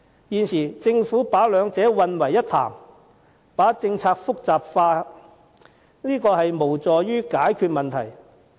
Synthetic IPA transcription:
jiː˨nsiː˨˩t͡sɪ˧ŋfuː˨˥paː˨˥lœː˨˧ŋt͡sɛː˨˥wɐ˨˧nwɐ˨˩jːɐ˥t̚t̪ʰa̰ː˨˩m | paː˨˥t͡sɪ˧ŋt͡sʰaː˧k̚fʊ˥k̚t͡saː˨˩p̚faː˧ | niː˥kɔː˧hɐ˨jmo˨˩wt͡sɔː˨ɥyː˥kaː˨˥jkʰyː˧t̚mɐ˨nt̪ʰɐ˨˩j

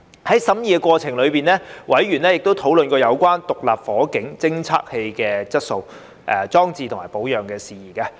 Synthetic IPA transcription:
hɐ˨˦jsɐ˨˥mjiː˨ɛ˧kʷwɔː˧t͡sʰɪ˨˩ŋlɵ˨˧ɥpiː˨nlɛː˥wʔɐ˨˥jɥyː˨˩nlɛː˥jɪ˨k̚t̪o˥wt̪ʰo˨˥wlɵ˨nkɔː˧jɐ˨˧wkʷaː˥nt̪ʊ˨k̚laː˨˩p̚fɔː˨˥kɪ˨˥ŋt͡sɪ˥ŋt͡sʰa̰ː˥k̚he˧jkɛː˧t͡sɐ˥t̚so˧w | ʔɛ˨˧t͡sɔː˥ŋt͡siː˧t̪ʰmaː˨˩jpo˨˥wjœː˨˩ŋkɛː˧siː˨jiː˨˩kaː˧

